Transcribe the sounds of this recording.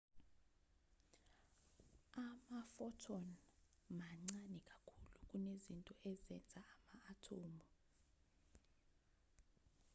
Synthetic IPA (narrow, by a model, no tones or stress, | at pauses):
amafɔtʰɔnmaŋ͡ǀanɛkʼakʰuluk̬ʼunezintʼɔʔɛzɛnd͡zʱaamaːtʰoːmɔ